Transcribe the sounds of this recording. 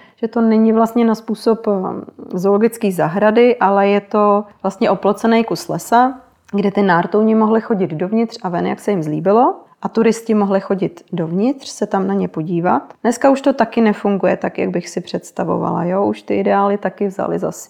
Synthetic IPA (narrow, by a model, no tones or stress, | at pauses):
ʒ̥ɛt̪o̞nɛɲɪvlast̪ɲɛnaspuːso̞p | zolo̞ɡɪt͡skiːzaɦɾadɪʔalɛjɛt̪o̞vlast̪ɲɛʔoplot͡sɛnɛjkuslɛsa | ɡdɛt̪ɪnaːɾt̪owɲɪmo̞ɦlɪxo̞ɟɪd̪do̞vɲɪt̪r̝̥avɛnja̰ksɛjɪmzlḭːbɪlo̞ʔat̪uɾɪscɪmo̞ɦlɪxo̞ɟɪt̪do̞vɲɪt̪r̝̥sɛt̪amnaɲɛpo̞ɟiːvat̪nɛskauʃt̪o̞t̪akɪnɛfuŋɡujɛt̪akja̰ɡ̚bɪxsɪpr̝̥ɛt̪st̪avo̞̰va̰la̰joʔuʃt̪ɪʔɪdɛaːlɪt̪akɪvza̰lɪ̰za̰s